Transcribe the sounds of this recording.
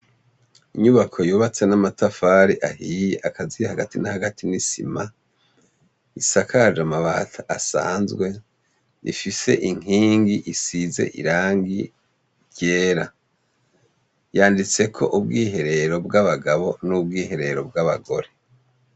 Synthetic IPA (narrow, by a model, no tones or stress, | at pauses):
iɲuβakʰo̞juːβat͡se̞namatafaːɾiʔahiːjeʔakʰaziahaɡatinahaɡatʰinisḭma | isakʰad͡ʒamaβaːtʰaasa̰ːnzɡwe̞ | ḭfise̞̰ʔiŋiːŋɡiʔisize̞̰ʔḭɾaːŋɡi | ɾɟeːɾa | jaːndit͡se̞kʰo̞̰ʔub̚ɡiːɦe̞ɾe̞ɾo̞bɡaβaɡaβo̞nub̚ɡiːɦe̞ɾe̞ɾo̞bɡaβa̰ɡo̞ɾe̞